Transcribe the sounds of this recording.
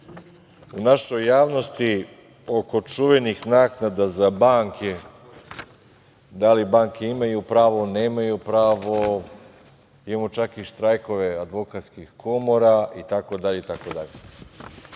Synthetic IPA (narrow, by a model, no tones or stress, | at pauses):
unaʃo̞jːaːʋno̞st̪i | oko̞t͡ʃuʋe̞nixnaːknad̪azabaːŋke | d̪alibaːŋke̞imajupɾaːʋo̞ne̞ːmajupɾaːʋo | imamot͡ʃakiʃt̪ɾajko̞ʋead̪ʋo̞kat̪skixko̞moɾait̪ako̞d̪aʎeit̪akod̪a̰ʎe